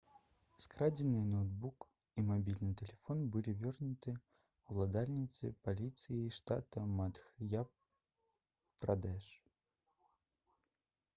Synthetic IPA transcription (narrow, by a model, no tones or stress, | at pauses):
skɾad͡zʲɪnɨjnowd̪̚buk | imabʲilʲnɨjt̪ʲɛlʲɛfɔnbɨlʲivʲɔrnʊt̪ɨ | ulˠad̪alʲnʲit̪sɨ̰palʲit̪sɨjiʂt̪a̰t̪ɐmat̪xjap | prad̪ɛʂ